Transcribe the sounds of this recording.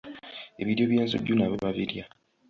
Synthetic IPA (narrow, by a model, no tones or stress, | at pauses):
eβiɾjoβjeːnzṵɟːunaβeβaβiɾja